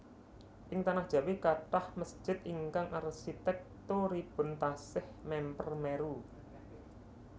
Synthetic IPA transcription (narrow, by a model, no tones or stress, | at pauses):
ʔɪŋt̪anahd̥ʒ̥ä̤wikaʈahməsʒ̥ɪ̤t̪iŋkaŋʔarsit̪ɛk̚t̪oɾib̥ʊ̤nt̪asɪhmɛmpərmɛɾu